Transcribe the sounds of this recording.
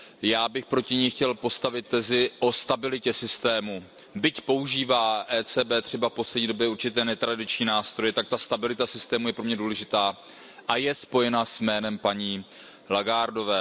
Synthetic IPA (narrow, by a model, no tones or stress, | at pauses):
jaːbɪxpɾo̞cɪɲɛjxcɛlpo̞st̪avɪt̪̚t̪ːɛzɪʔo̞st̪abɪlɪcɛsɪst̪ɛːmu | bɪcpo̞uʒiːvaːʔɛːt͡sɛːbɛːt̪r̥ɛbafpo̞slɛdɲiːdobjɛuɾt͡ʃɪt̪ɛːnɛt̪ɾadɪt͡ʃɲiːnaːst̪ɾo̞jɛt̪ak̚t̪ast̪abɪlɪt̪asɪst̪ɛːmujɛpɾo̞mɲɛduːlɛʒɪt̪aː | ʔajɛspo̞jɛnasmɛːnɛmpaɲiː | laɡaːɾdo̞vɛː